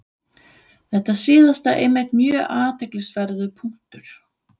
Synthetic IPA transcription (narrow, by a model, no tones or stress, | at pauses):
θɛht̪asiːðast̪aʔemːɪt̪mjœːʔaːt̪ɛklɪsvɛɾðʏpʰuŋ̥t̪ʏɾ̥